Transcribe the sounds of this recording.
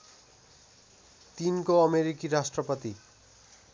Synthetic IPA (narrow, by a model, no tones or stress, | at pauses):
t̪inkoʌmeɾikiɾasʈɾʌpʌt̪i